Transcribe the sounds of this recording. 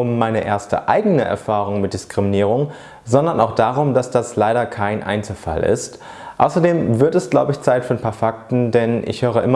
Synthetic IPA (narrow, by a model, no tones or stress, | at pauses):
ʔʊmːaɪnəʔeːɐstə̰ʔaɪɡənəʔɛ̰ɐfaːʁ̞ʊŋmɪt̚d̥ɪskʁ̥iminiːʁ̞ʊŋ | zɔndɐnaʊxd̥aːʁ̞ʊmd̥asd̥aslaɪɾɐkʰaɪnʔa̰ɪnt͡sl̩fa̰lɪ̰st | ʔa̰ʊsɐdeːmvɪɐtɛsɡ̥laʊbəɪçt͡saɪtfyːnpʰaːɐfak̚tn̩dɛnʔɪ̰çhøːʁ̞əʔɪm